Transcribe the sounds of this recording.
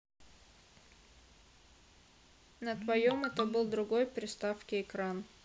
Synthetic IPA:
nət̪vɐjomɛt̪əbɨlˠd̪ɾʊɡo̞jpɾʲɪst̪afkʲɪɪkɾan

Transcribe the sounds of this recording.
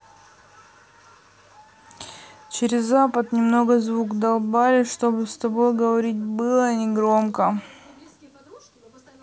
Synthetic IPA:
t͡ɕɪɾʲɪzːapət̪nʲɪmno̞ɡəzvukd̪ɐlˠbalʲɪʂt̪o̞bɨst̪ɐbo̞jɡəvɐɾʲit̚ʲbɨlˠənʲɪɡɾomkə

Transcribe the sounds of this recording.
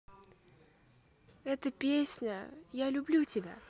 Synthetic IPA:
ɛt̪əpʲesʲnʲəjalʲʊblʲutʲɪbʲa̰

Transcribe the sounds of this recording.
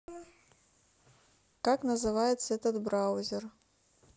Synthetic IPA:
kaknɐzɨvajɛt̪sɐɛt̪ɐd̪bɾawzʲɛr

